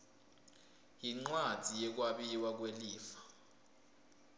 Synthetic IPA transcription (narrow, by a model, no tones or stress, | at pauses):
jiŋ͡ǀwad̥z̥ʱijɛk̬waɓiwak̬weliːfḁ